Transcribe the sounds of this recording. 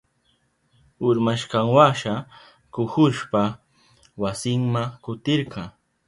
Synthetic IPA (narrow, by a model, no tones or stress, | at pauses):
ʊɾmaʃqɑŋwaʃa | kʊxʊʃpa | wasɪŋmakʊt̪ɪɾqɑ